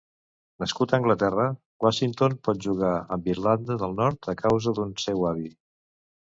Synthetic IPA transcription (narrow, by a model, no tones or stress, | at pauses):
nəskut̪əːŋɡlət̪ɛrə | waʃint̪onpɔt̪̚ʒuɣaəmbiɾland̪əðəlˠnɔɾt̪əkʰawzəðunsɛwaβi